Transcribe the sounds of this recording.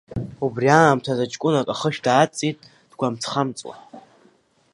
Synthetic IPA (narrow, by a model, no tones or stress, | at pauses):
ubriaːmtʰazat͡ʃʼkʷʼʊnakʼaχəʃdaːt͡sʼitʼ | d̥ɡʷamt͡sʰχamt͡sʼwa̰